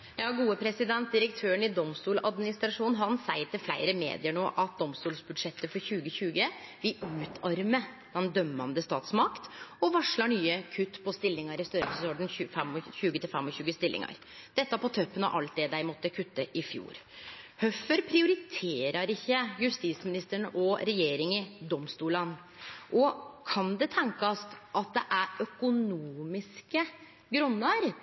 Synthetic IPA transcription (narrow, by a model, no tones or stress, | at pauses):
jɑːɡuːəpʰɾɛsɪd̪ɛnt̪̚d̪ɪɾəkt̪ʰøːɾəɳɪd̪ɔmst̪uːlɑd̪mɪnɪst̪ɾɑʂuːnɦɑnsæɪʈ̪ɪlflæ̰ɪɾəmḛːd̪ɪəɳoːʔɑt̪̚d̪ɔmst̪uːlsbʉd̪ʂɛt̪ːəfɔɾçʉːɡəçʉːɡəʋɪʉːt̪ʰɑɾmə | d̪̥ɛnd̪œmːɑnd̪əst̪ɑ̰ːt̪smɑkt̪ɔʋɑʂɭɑɳyːəkʰʉt̪ːpʰɔst̪ɪlːɪŋɑɾɪst̪œɾəfɔssoɖn̩ʉfɛmɔçʉːɡət̪ʰɪlfɛmɔçʉːɡəst̪ɪlːɪ̰ŋɑ̰ɾ | d̪̥ɛt̪ːɑpɔt̪ʰœpːənɑ̰ʔɑlt̪̚d̪ɛd̪æɪmɔt̪ːəkʰʉt̪ːəʔɪfjṵːɾ | hœfəɾpʰɾɪʊɾɪt̪ʰeːɾəɾɪçːəjʉst̪ismɪnɪst̪əɳʔɔɾɛjeːɾɪŋɪd̪ɔmst̪uːlən | ʔɔkʰɑnd̪ɛt̪ʰɛŋkɑst̪ʔɑt̪̚d̪ɛʔæɾœkʊnuːmɪskə | ɡɾʉnːəɾ